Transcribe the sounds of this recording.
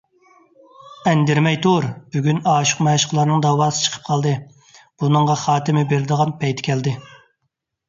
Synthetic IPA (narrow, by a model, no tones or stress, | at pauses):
ɛnd̪ɪɾmɛjt̪ʰoɾb̥yɡʲynɑːʃʊ̥qmɛʃə̥qlˠɑɾnɨŋd̪ɑwɑːsɨ̥t͡ʃʰə̥qʰə̥p̚qʰɑlˠd̪ɨ | b̥unɨŋʁɑχɑːt̪ɪmɪbeɾɪd̪əʁɑnpʰɛjt̪ʰɪ̥kʲʰɛld̪ɪ